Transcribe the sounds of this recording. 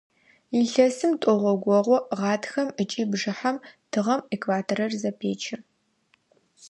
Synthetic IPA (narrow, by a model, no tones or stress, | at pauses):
iɬɐsɨmtʼɔʁʷɔɡʷɔʁʷɔʁɑːtʰxɐmət͡ʃʼiːbʐɨħamtʰɨʁɐmekvaːtʰoɾɐrzɐpʰeːt͡ʃʰɪr